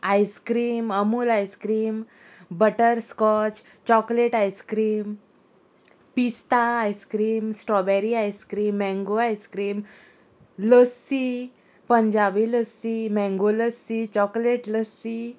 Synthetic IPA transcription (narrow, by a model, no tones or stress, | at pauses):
ajskɾiːməmuːlajskɾiːm | bəʈəɾskɔt͡ɕ | t͡ɕɔkleʈajskɾiːm | pist̪aːjskɾiːmsʈɔbɛɾiajskɾiːmːɛ̃ŋɡoajskɾiːm | ləsːi | pəɲd͡ʑabiːləsːimɛ̃ŋɡoləsit͡ɕɔkleʈləsːi